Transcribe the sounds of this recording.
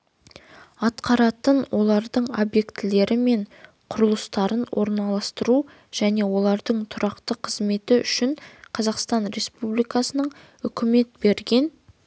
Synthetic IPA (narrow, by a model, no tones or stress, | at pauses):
ɑt̪qɑɾɑt̪ənwʔo̞lˠɑɾd̪əɴo̞bje̞kt̪ɪle̞ɾɪme̞ɴ | qʰʊɾəlˠəst̪ɑɾənwʔo̞̰ɾnɑlˠɑst̪əɾu | ʒ̥æne̞wo̞lˠɑɾd̪əɴt̪ʰʊɾʔɑqt̪əqʰəzme̞t̪ɪʏ̰ʃɪɴqʰɑzɑqst̪ɑnɾe̞spublijkɑsənəɴ | ʏkʲɪme̞t̪̚be̞ɾɡʲe̞n